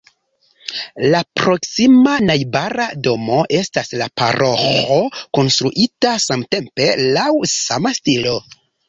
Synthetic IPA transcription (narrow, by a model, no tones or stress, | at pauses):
lapɾo̞ksimanajbaɾado̞mo̞ʔe̞staslapa̰ɾo̞xoko̞nstɾuʔitasamte̞mpe̞lawsamastilo̞